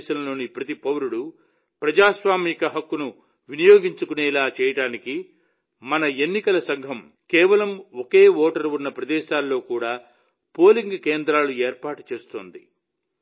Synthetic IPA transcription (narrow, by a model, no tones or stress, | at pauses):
ʃɐnɐlo̞ːnipɾɐt̪ipɐwɾuɽu | pɾɐd͡ʒaːsʋaːmiːkɐɦɐkːunu | ʋinijoːɡiɲt͡ʃukunɛːlaːt͡ʃɛːjɐɽaːniki | mɐnɐe̞nːikɐlɐsɐŋɡʱɐm | kɛːʋɐlɐmoke̞ːoːʈɐɾunːɐpɾɐd̪ɛːʃaːlːo̞ːkuːɽaː | po̞ːliŋɡkeːnd̪ɾaːlueːɾpaːʈu̥t͡ʃeːst̪o̰ːnd̪i